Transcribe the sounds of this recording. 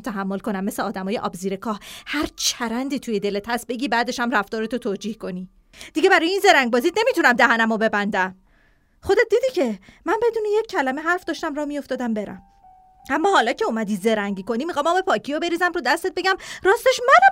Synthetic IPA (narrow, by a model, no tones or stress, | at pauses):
t̪ʰæɦæmːo̞lko̞næmːeseɒːd̪æmɒːje̞ʔɒ̰ːbziːɾekʰɒːhhæɾt͡ʃʰæɾænd̪iːt̪ʰuːje̞d̪e̞let̪ʰæsbe̞ɡiːbæːd̪e̞ʃæmræft̪ɒːɾet̪ʰot̪ʰoːd͡ʒiːhko̞niː | d̪̥iɟe̞bæɾɒːjeiːnze̞ɾæŋɡ̚bɒːzid̪ne̞mit̪unæmd̪æɦænæmobe̞bænd̪æm | χo̞d̪et̪̚d̪iːd̪icʰe̞mænbe̞d̪uːnejecʰːælæmeɦæɾfd̪ɒːʃt̪æmrɒmio̞ft̪ɒːd̪æmbe̞ɾæ̰m | æmːɒːhɒːlɒːcʰe̞omæd̪iːze̞ɾæŋɟiːko̞nimixɒːmɒːbepʰɒːcʰiobe̞ɾiːzæmɾod̪æst̪et̪̚be̞ɟæmɾɒːst̪eʃmænæ